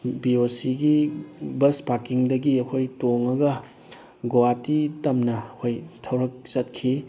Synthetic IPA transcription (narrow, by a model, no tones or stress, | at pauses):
biosiɡibɐspakiŋdɐɡiɐkʰojtoŋɐɡɐ | ɡowatitɐmnɐːkʰojtʰɐwɾɐk̚sɐt̚kʰi